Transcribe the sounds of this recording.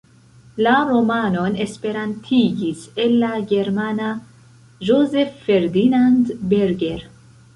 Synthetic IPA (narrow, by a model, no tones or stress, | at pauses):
laɾo̞mano̞nespe̞ɾantʰiɡise̞lːaɡe̞ɾmana | ʒoze̞fːeɾd̪inandbeɾɡeɾ